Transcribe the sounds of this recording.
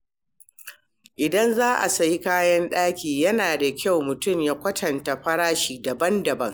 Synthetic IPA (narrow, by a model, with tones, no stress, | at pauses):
ʔɪ˨dɐ˦nzaː˦ʔa̰˨sɐ˨ji˦kaː˦jɐ˦nɗaː˦kʲiː˨jɐ˦naː˨da˨kʲa˦˨wmʊ˨tʊ˦˨mjaː˦kʷɐ˦tʰɐ˨nta˨ɸɐ˦ɽaː˦ʃiː˨dɐ˨bɐ˦ndɐ˨bɐ˦ŋ